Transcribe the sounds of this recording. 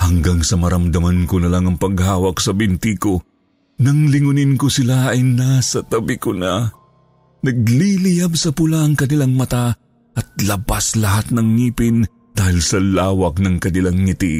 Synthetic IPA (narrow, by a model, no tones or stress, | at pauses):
hɐŋɡaŋsɐmɐɾɐmd̪ɐmankonɐlaŋɐŋpɐɡhaːwɐksɐbɪnt̪iko | nɐŋlɪŋʊnɪnkosɪlaɐjnasɐt̪ɐbɪkʊna | nɐɡ̚lilɪjabsɐpʊlaːŋkɐnɪlaŋmɐt̪a | ʔɐt̪̚lɐbaslɐɦat̪̚nɐŋːiːpɪn | d̪̥aːhɪlsɐlaːwɐk̚nɐŋkɐnɪlaŋːɪt̪i